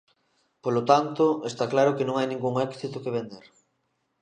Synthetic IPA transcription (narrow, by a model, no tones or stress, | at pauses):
polot̪ant̪ʊest̪aklaɾokenõŋajnĩŋɡuŋɛkθit̪ʊkeβend̪eɾ